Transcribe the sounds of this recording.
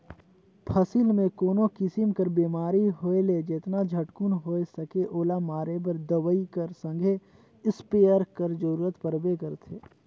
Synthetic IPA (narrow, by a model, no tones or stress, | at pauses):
pʰəsilmẽkoːnokɪsɪmkəɾbiːmaːɾiɦoːeled͡ʒeːt̪nad͡ʒʱəʈkunɦoːesɐkeʔoːlamaːɾebəɾd̪əʋəikəɾsə̃ŋɡʱe | ɪspeːjəɾkəɾd͡ʒəɾuːɾət̪pəɾbekəɾt̪ʰeː